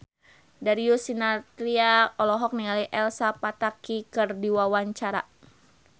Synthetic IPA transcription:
daɾiusinat̪ɾiaɔlɔɦɔk̚niŋaliʔɛlsapat̪akikɨrdiwawaɲt͡ʃaɾa̰

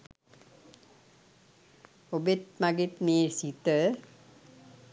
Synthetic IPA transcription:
obet̪maɡit̪meːɾsit̪ə

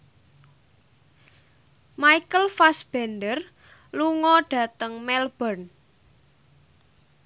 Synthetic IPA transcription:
maikəlfasb̥ɛnd̪ər | luŋɔɖ̥ä̤t̪əŋmɛlb̥ɔn

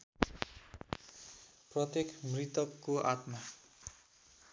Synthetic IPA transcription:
prʌt̪jekʰmrit̪ʌkːoʔat̪ma

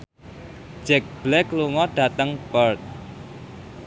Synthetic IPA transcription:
d͡ʒ̥ɛk̚b̥lɛkluŋɔɖ̥ä̤t̪əŋbərt̪̚

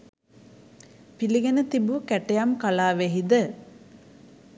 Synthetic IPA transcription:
piliɡenət̪ibukæʈejamkalaːʋeɦid̪ə

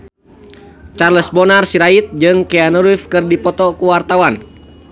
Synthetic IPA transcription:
t͡ʃarləsbɔnarsiɾait̪̚d͡ʒɨŋkɛanuɾifkɨrdipɔt̪ɔkuwart̪awan

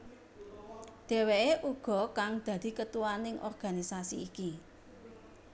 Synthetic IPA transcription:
d̪̥e̤weeʔuɡ̥ɔ̤kaŋd̪̥ä̤d̪̥i̤kət̪uwanɪŋʔɔ̰rɡ̥a̤nisasiːki

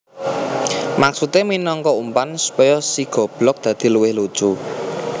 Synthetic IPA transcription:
maksut̪eminɔŋkɔumpansu̥pɔjɔsiɡ̥ɔ̤b̥lɔk̚d̪̥ä̤d̪̥i̤luwɪhlu̥t͡ʃu

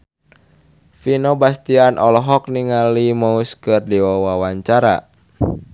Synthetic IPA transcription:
finobast̪ianʔɔlɔɦɔk̚niŋalimauskɨrdiwawawaɲt͡ʃaɾa̰

